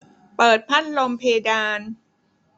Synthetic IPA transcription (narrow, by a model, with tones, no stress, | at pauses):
pɤː˨˩t̪̚pʰa˥˩nlo˧mpʰeː˧daː˧n